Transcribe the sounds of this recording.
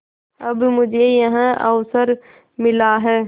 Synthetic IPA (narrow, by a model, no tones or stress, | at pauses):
ɐbmʊd͡ʒʱejɐɦãʔəʋsəɾ | mɪlaɦɛː